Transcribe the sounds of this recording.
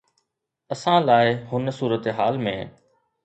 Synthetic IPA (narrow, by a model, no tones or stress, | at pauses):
ɐsãlaːɪɦʊnsuːɾət̪eɦaːlmẽː